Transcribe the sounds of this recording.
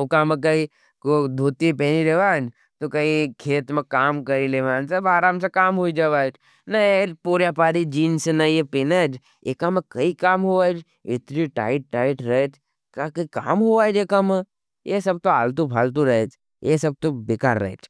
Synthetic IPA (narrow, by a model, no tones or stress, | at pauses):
okamek̬ɐi | kod̪ʱuːt̪ipɛniɾeʋaːn | t̪okɐikʰeːt̪mekaːmkɐɾileʋaːnsebaːɾaːmsekaːmɦoid͡ʒaʋaːd͡ʒ | nɐepuːɾjapaːɾid͡ʒiːnsenɐjepenad͡ʒ | ḛkamẽkɐikaːmɦoaːd͡ʒ | ɪt̪ɾiʈa̰ːɪʈʈaːɪʈɾɐet͡ʃ | kakɐka̰ːmɦoaːd͡ʒekamə | jesɐb̚t̪oaːlt̪ubʱaːlt̪̬uɾɐɦet͡ʃ | jesɐb̚t̪obeːka̰ːɾːɐ̰ɦt͡ʃ